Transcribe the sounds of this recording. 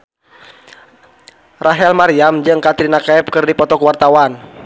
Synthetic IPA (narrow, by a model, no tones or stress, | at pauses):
raɦɛlmaɾiamd͡ʒɨŋkat̪ɾinakaɛp̚kɨrdipɔt̪ɔkwart̪awan